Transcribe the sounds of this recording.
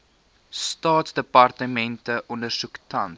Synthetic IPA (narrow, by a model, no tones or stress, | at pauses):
stɑːtsdəpɐrtəmɛntəʔɔndərsuktʰɐn